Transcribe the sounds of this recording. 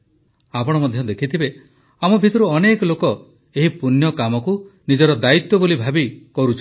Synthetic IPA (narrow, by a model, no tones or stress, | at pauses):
apɔɽ̃ɔmɔd̪ʱjɔd̪ekʰit̪ʰibe | amɔbʱit̪ɔɾuɔnekɔlokɔ | eɦipunjɔkamɔkunid͡ʒɔɾɔd̪ait̪wɔbolibʱabikɔɾut͡ʃʰ